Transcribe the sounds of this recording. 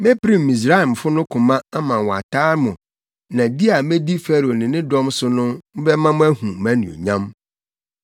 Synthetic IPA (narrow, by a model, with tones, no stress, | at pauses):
mẽ˦pʰɾĩ˦˨m˨mĩ˨s̬ɾa˦i˨m˨fʊ˦nʊ̃˦kʰʊ̃˨mã˦a˦mã˨wɔ˨a̰˨tʰaː˦mʊ̃˨ | nã˨di˦a˨mẽ˦di˦fɛ˦ɾo˨nɪ̃˨nɪ̃˦dɔ̃˦msʊ˦nʊ̃˦m̩˦bɛ˦mã˦mʊ̃˦æ˦hũ˨mæ̃˦nḭ̃˨o̰˨ɲã˦m